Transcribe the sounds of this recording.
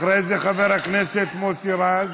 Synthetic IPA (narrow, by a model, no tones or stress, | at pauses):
ɾezeχabeɾaknɛset̪mosiɾaz